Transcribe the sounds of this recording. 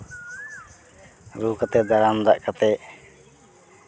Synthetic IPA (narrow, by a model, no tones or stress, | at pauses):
ɾuːkat̪ɛd̪aɾamd̪aʔkat̪ɛ